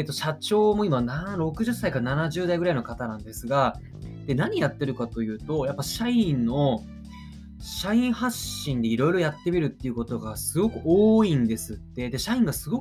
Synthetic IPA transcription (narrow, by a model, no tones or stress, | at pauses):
et̪ːo̞ɕat͡ɕo̞ːmo̞imanaɾo̞kɯ̟ʑɨsːaikaɾananaʑɨːd̪aiɡɯɾaino̞kat̪anãnd̪e̞sɨɡa | d̪̥e̞naɲ̟ijat̪ːe̞ɾɯ̟kat̪o̞jɯ̟ːt̪o̞japːaɕaĩnːo̞ | ɕaĩɰ̃haɕːĩnd̪e̞iɾo̞jɾo̞jat̪ːe̞mʲiɾɯ̟t̪ːe̞iɯ̟ko̞t̪o̞ɡasɨɡo̞kɯ̟ʔoːĩnd̪e̞sɨt̪ːe̞d̪e̞ɕaĩŋɡasɨɡo̞k